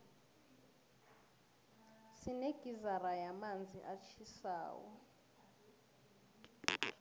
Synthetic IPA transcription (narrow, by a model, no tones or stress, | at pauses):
sineɡ̥ʱizarajamand͡zʱḭʔat͡ʃʰisa̰ːwɔ̰